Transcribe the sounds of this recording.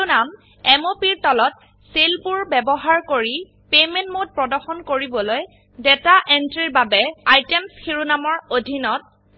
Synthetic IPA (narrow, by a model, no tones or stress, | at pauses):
nam | ɛmopiɹtɔlɔt | selpuɹbɛbɔɦaɹkoɹi | pemɛ̃ntmot̚pɹɔdɔɹxɔnkoɹibɔloj | dɛtaʔɛntɹiɹbabɛajtemsxiɹunamɔɹodʱinɔt̚